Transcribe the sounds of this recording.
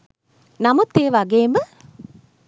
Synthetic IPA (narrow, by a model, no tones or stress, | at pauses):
namut̪ːeːʋaɡeːmə